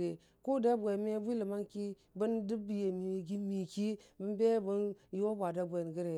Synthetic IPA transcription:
e˨ | ko˦da˦bʷe˨m˦bi˦li˨ma˦nki˦ | bə˦ndi˦bi˨je˨mi˨ɡi˦mi˨ki˦bə˦be˦bu˦njo˦bʷa˨da˦bʷe˨n˨ɡi˦ɾe˨

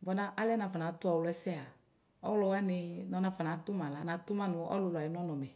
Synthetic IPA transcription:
bɔ˨na˨˦ʔa˦lɛ˦na˨fɔ˨na˨˦tʊ˦ɔ˨wlɔ˧˦ɛ˦sɛ˦a˨ | ɔ˦wlɔ˧wa˦nɪ˧nɔ˧nã˧˨fɔ˨na˨˦tu˦mã˨la˨˦na˨˦tu˦ma˦nʊ˧ɔ̰˦lu˧la˨i˨˦n˦ɔ˦nɔ˨mɛ˨

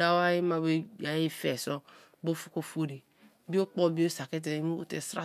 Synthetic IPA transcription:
a˦wa˦je˦ma˨be˦ja˨je˦fɛ˨sɔ˦ | bo˦fu̥˦ko˦fo˦ɾi˨ | bi˦o˦k͡pɔ˦bi˦o˦sa˨kɛ˦t̬ɛ˨˦m̰˦tɛ˨sɾa̰˦

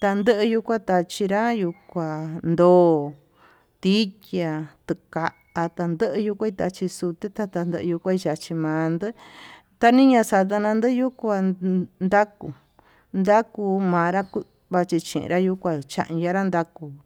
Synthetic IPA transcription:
t̪a˧nd̪ɨ˦ʔɨ˧ju˧kʷa˦t̪a˧t͡ʃi˧ɾa˦ju˧kʷa˨nd̪oː˦ | t̪i˦kja˧t̪ɨ˧ka˨˧ʔa˧t̪a˧nd̪ə˦ʔɨ˧ju˧kʷa˦i˧t̪a˧t͡ʃi˧su˧t̪e˦t̪a˧t̪a˧nd̪ə˧ɨ˧u˧kʷa˦i˧t͡ʃa˧t͡ʃi˧mãː˨˧nd̪ɨ˦ | t̪a˧nĩ˦ɲã˧sa˧t̪a˧nã˧nd̪ɨ˦ju˦kʷa˧nd̪a˦kṵ˨ | nd̪a˦ku˧mãː˨˧ɾa˦ku˧ | βa˧t͡ʃi˧t͡ʃḭ̃˧˨ʔḭ̃˧ɾa˦ju˧kʷa˧t͡ʃã̰˧ʔja˧ɾa˦nd̪a˦ku˧

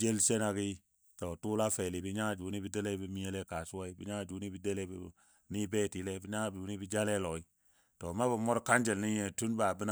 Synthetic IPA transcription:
d͡ʒe˦lse˦na˦ki˦ | tɔ˨tu˦la˦fe˨li˨bi˦ɲa˦˨d͡ʒu˨˦ni˦bi˦de˦le˦bi˦mi˦je˦le˦ka˨su˦a˦i˦bi˦ɲa˦˨d͡ʒu˨˦ni˦bi˨de˦le˦b | ni˦bɛː˦˨ti˨˦lɛ˦bi˦ɲa˦˨bu˨˦ni˦bi˦d͡ʒa˦le˦lɔ˨i˦ | tɔ˨ma˦bi˨mɔ˦ɾka˦nd͡ʒɛ˨lni˦jɛ˨tu˦nba˨bi˦na˦

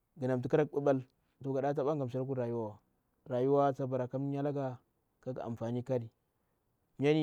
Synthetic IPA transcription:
ɡə˨na˨mt̬i˨˦ka˦ɾa˦k̚ɓa˦ɓa˦l | to˨ɡa˨ɗa˦t̬a˦ɓa˦ŋɡa˨mʃ̬a˦ɾk̬u˦ɾa˨ju˦wa˦wa˨ | ɾa˨ju˦wa˦t͡sa˦ba˨ɾa˨ka˦m˦ɲa˦la˦ɡa˨ | ka˦ɡa̰˨a̰˨m˨fa˨ni˦ka˦ɾi˨ | m˦a˦ni˦

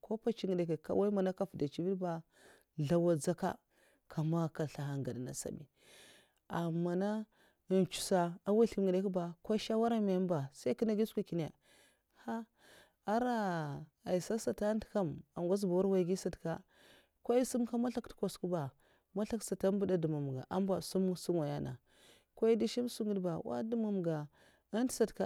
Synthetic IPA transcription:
kʰo˦pa˦t͡ʃi˨ŋɡi˨de˨ke˨ka̰˦wa˦i˦ma˨na˦ka˦fda˨t͡ʃi˦vi˦ba˨ | ɮa˦wa˦d͡za˦ka̰˦ | kʰa˨ma˦ka˨ɬa˨ɦa˨ŋ˨ɡa˨dna̰˨sa̰˨bḭ˨ | a˨ma˨na˦˨ | nt͡ʃu̥˨sa˨a˦wa˦ɬi˦ɡi˨de˦ki˦ba˨ka˦ʃa˦wa˦ɾa˦me˨˦m˦ba˨sa˦i˦ki˦na˦ɡi˦sku˦ki˨ne˨ | ha˦ | a˦ɾa˦ | a˨i˨sa˦sa˨ta˦n˦ti̥˨ka˦˨ma˨m˨ɡʷa˦s̬ba˨wu˦ɾwa˦˨i˨ɡi˦sa˨tka˦ | kʷa˦i˦su˦mka˦ma˦ɬa˦ktko˨sku˦ba˨ | ma˦ɬa˦ksa˨ta˦bu˦da˨du˨ma˨m˨ɡa̰˨ʔa˦mba˨su˦m˦su˦mwa˨ja̰˦na̰˨ | kʷa˦i˦di˦ʃi˦m˦su˦ɡə˦dba˨wa̰˦du˦ma˨m˨ɡa˨ | a˦n˦tsa˨tka˦˨

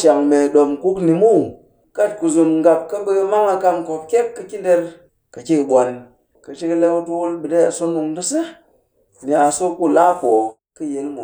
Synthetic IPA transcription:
ʃa˨ŋme˨ɗo˨mku˦kni˨mu˦˨ | ka˦tku˨zu˨mŋɡa˨p̚ka˦bə˦kma˦ŋa˧ka˦mko˨p̚kʲe˦p̚kːə˨ki˦de˦ɾ | kə˨ki˦kɓʷo˨n | kə˨t͡ʃi˦kə˦le˦wu˦tu˦wu˦lɓɨ˨de˦a˨so˦nu˨ŋdə˦sɨ˦ | ni˨a˨so˦ku˦˨la˦fo˨ | kə˦je˨˦lmu˨

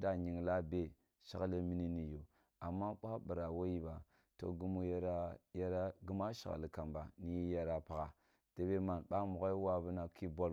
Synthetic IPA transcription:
da˨ɲi˨ŋla˦be˨ | ʃa˨ɣlə˦mi˦ni˦ni˨jo˨ | a˨mːa˦ɓa˦a˦bə˨ɾa˨wo˦ji˦ba˨ | to̰˨ɡu˦mu˦jɾja˦ɾa˦ɡu˦ma˦ʃa̰˨ɣa̰˨lə˨ka˨mba˨ni˦i˦ja˦˨ɾa˨pa˨ɣa˨ | d̥e˨be˦ma˨nɓa˦mu˨ɣa˦i˦wa˦bə˦na˨ki˦bo˦l

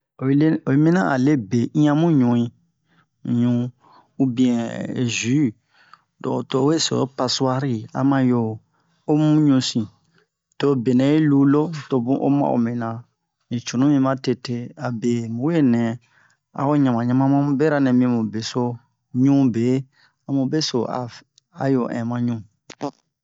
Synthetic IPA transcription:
o˨˦lo˨e˦mĩ˦nã̰˦a̰˨le˦be˨ĩ˦ã˦mũ˦ɲũ˨ĩ˦˨ | ɲũ˨ | u˦bĩ˨ɛ̃˨zi˨˦ | dɔ̰˨to˨˦we˦so̰˨˦pa˨su˦a˦ɾi˦˨a̰˨mã˧jo˦˨ | o˦mũ˦ɲũ˧sĩ˨ | to˦be˨nɛ̃˨˦e˦lu˦lo˦to˨bũ˦ʔo̰˦mã̰˦o̰˨mĩ˨nã˨ | nĩ˨t͡ʃu˨nũ˦mĩ˦mã˦te˧te˦a˨be˨mũ˨we˦nɛ̃˨ | a̰˨o˦ɲã˨mã˨ɲã˦mã˦mã˦mũ˦be˦ɾa˦nɛ̃˨mĩ˧mũ˨be˨so˦ | ɲũ˦be˨˦ | a˨mũ˨be˦so˨a̰˨ | a̰˨jo˨ʔɛ̰̃˨mã˦ɲũ˦˨

